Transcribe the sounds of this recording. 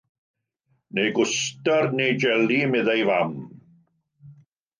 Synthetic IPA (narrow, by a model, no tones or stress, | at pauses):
nejɡʊstarnejd͡ʒɛlimɪðajvam